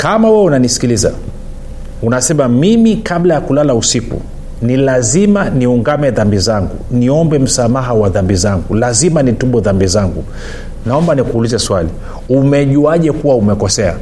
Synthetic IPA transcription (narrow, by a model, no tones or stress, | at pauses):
kamawɛɛunanisi̥kiliza̰ | unasɛmamimikaɓlajakulalausikṵ | nilazimaniuŋɡamɛðambizaŋɡṵniɔmbɛm̩samaɦawaðambizaŋɡulazimanituɓɔðambizaŋɡu | naɔmbanikuulizɛswali | umɛʄuaʄɛkuwaumɛkɔsɛa̰